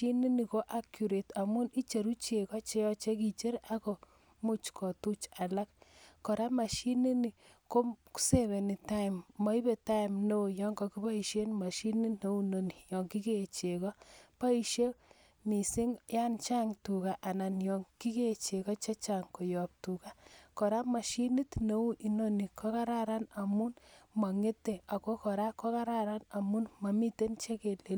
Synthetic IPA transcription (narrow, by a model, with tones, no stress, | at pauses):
i˦ni˦ni˨ko˦ʔa˦kju˨ɾe˨ta˨mu˦ni˦t͡ʃe˨ɾu˦t͡ʃe˨kɔ˦t͡ʃe˦jɔ˦t͡ʃe˦ki˨t͡ʃe˦ɾa˦ko˨ | mu˦t͡ʃkʰɔ˨tu˦t͡ʃa˨la˦kːɔ˨ɾa˦ma˨ʃi˦ni˦ni˨ | ko˦ku̥˦se˦βe˨ni˨ta˦ɪ˨mmɔ˨˦i˦be˨ta˦i˨mno˦˨jɔ˦ŋɡɔ˨ki˦ba˦i˨ʃe˦nma˨ʃi˦ni˦no˦u˦no˨ni˨jɔ˨ŋki˦ke˦˨t͡ʃe˨kɔ˦pa˦i˨ʃe˦ | mi˨si˦ŋja˦nt͡ʃa˦ŋtu˨ka˨ʔa˨na˨njɔ˨ŋki˦ke˦˨t͡ʃe˨kɔ˦t͡ʃa˦t͡ʃa˨ŋko˨jɔ˨p̚tu˨ka˦kɔ˨ɾa˦ma˨ʃi˦ni˦tno˨˦u˦ʔi˨no˦ni˨kʰɔ˦ka˦ɾa˦ɾa˦na˨mu˦nma˨ŋe˦te˨a˨ko˦kɔ˨ɾa˦ko˦ka˦ɾa˦ɾa˦na˨mu˦nma˨mi˦te˦nt͡ʃe˦ke˨le˨